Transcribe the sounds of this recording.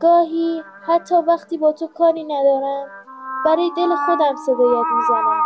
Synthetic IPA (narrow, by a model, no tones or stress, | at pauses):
ɡ̥ɒːɦiː | hæt̪ʰːɒːvæχt̪iːbɒːt̪ʰokʰɒːɾiːnæd̪ɒːɾæmb̥æɾɒːjed̪e̞lexo̞d̪æmsed̪oːjæd̪̚mizænæm